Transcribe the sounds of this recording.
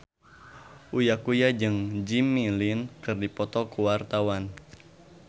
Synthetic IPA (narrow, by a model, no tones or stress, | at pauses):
ʔujakujad͡ʒɨŋd͡ʒimilinkɨrdipɔt̪ɔkuwart̪awan